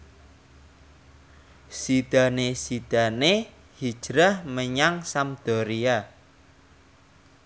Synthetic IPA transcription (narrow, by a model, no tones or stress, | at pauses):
sid̪̥ä̤nesid̪̥a̤ne | hid̥ʒ̥ɾahməɲaŋsamd̪̥ɔ̤ɾia